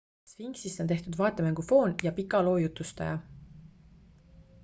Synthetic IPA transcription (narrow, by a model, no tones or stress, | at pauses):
sfiŋɡsisont̪eht̪ud̪̥vɑːet̪ːˑemæŋɡ̥ufo̞ːnjɑpikːˑɑlo̞ːjut̪ːˑust̪ɑ̰jɑ̰